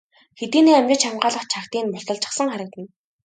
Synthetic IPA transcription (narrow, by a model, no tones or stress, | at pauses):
xet̪iːneːæmt͡ɕʲɪ̆t͡ɕamɢaːɮə̆χt͡ɕʰakt̪iːnpʊɮt̪ɞ̆ɮt͡ɕə̆χsə̆ŋχæɾə̆k̚t̪ə̆n